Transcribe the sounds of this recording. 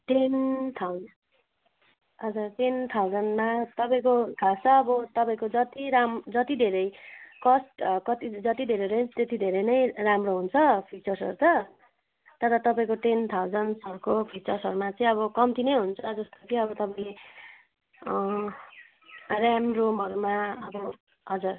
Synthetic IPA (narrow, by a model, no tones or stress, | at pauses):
ʈent̪ʰaw | ʌd͡zarʈent̪ʰawd͡zʌnmat̪ʌpaĩkokʰawsʰʌːbʌt̪ʌpaĩkod͡zʌt̪iɾamd͡zʌt̪id̪ʱeɾʌjkʌsʈkʌt̪id͡zʌt̪id̪ʱeɾʌɾend͡zt̪et̪id̪ʱeɾʌnʌjramroɦunt͡sʰʌpʰik̚t͡sʌrsʌ̰ɾut͡sʌ | t̪ʌɾʌt̪ʌpaĩkoʈent̪ʰawd͡zʌnsʌɾkopʰik̚t͡sʌrsʌɾumat͡sʌĩʌβʌkʌmt̪ʰinʌjɦunt͡sʰʌd͡zʌst̪ot͡sĩʌbʌt̪ʌpaĩle | rjamromɦʌɾumaʌbʌ | ɦʌd͡zur